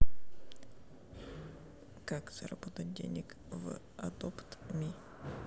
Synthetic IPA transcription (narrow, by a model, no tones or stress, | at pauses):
kakz̥ɐɾɐ̰bot̪ət̚ʲdʲḛnʲɪk | v | ɐ̰d̪opt̪mʲi